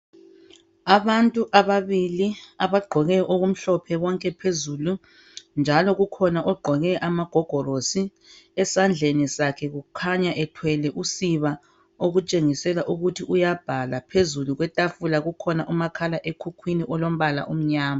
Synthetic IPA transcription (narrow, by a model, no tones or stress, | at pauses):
aβantʼuʔaβaβiliaβaɡ͡ǃʱɔɣɛʔoɣum̩ɬɔpʰɛwɔŋkʼɛpʰezulu | nd͡ʒʱalɔɣukʰɔnaʔɔɡ͡ǃʱɔɣɛʔamaɡ̥ʱɔɡ̥ʱɔɾosi | ɛsand͡ɮʱenisakʰɛɣukʰaɲaʔɛtʰwɛlɛʔusiβa | oɣut͡ʃʼeŋisɛlaʔuɣutʰiʔujab̥ʱalapʰezuluɣwɛtʼafulaɣukʰɔnaʔumakʰalaʔekʰukʰwiniʔɔlom̩βala̰ʔum̩ɲaːma